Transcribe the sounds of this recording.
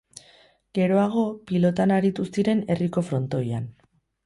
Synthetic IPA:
ɡ̥e̞ɾo̞aɣ̞o̞pilo̞t̪anaɾit̪ust̪iɾe̞ne̞riko̞fɾo̞nt̪o̞ja̰n

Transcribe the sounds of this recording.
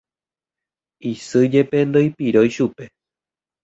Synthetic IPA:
isɨd͡ʒepe̞nd̪ojpiɾojʃupe̞

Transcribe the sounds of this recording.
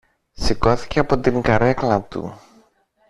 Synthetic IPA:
siko̞θi̥ceɐpot̪iŋɡɐɾɐklɐt̪ṵ

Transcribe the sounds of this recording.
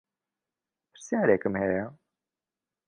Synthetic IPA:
pʰɨ̥ɾsjaːɾekɨmhɛja

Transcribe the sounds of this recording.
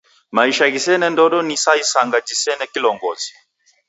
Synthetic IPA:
maiʃaɣisɛnɛndɔɗɔnisaisaŋɡad͡ʒisɛnɛkilɔŋɡɔzi

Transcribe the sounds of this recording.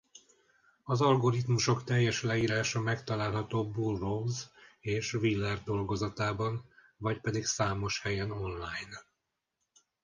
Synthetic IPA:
ɒzɒlɡo̞ɾit̪muʃo̞kt̪ɛjːɛʃlɛiːɾaːʃɒmɛkt̪ɒlaːlɦɒt̪oːbulrozeːʃvilːɛrd̪o̞lɡo̞zɒt̪aːbɒn | vɒcpɛd̪iksaːmo̞ʃhɛjɛno̞nlaːjn

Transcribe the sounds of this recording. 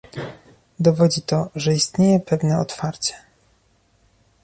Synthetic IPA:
d̪ɔvɔd͡ʑit̪ɔʐɛist̪ɲejɛpɛvnɛɔt̪faɾt͡ɕɛ̥

